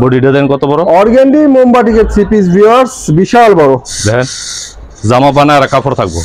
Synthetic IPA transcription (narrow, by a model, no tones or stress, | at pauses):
boɖiɖed̪ɛnkɔt̪obɔɾoɔɾɡeɳɖimombaʈikeɾsipisbiaɾsbiʃalbɔɾod̪ɛken | zamap̬anaaɾakapʰoɾt̪ʰak̚bo̰